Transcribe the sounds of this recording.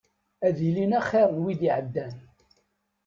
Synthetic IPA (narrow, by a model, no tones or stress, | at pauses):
æðilinæχːæwid̪iʕəd̪ːæn